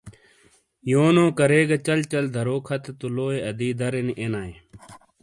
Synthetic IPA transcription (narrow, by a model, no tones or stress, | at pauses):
joːnõːkɐɾeːɡɐt͡ɕɐlt͡ɕɐld̪ʱɐɾoːkʰɐt̪et̪uloːeɐd̪iːd̪ɐɾeniʔenaːe